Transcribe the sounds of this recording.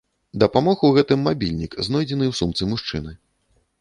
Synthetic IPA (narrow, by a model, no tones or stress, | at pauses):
d̪ɐpamɔɣuɣɛt̪ɨmːabʲilʲnʲikznɔjd͡zʲɛnɨwsumt̪sɨmuʂt͡ʂɨ̰nɨ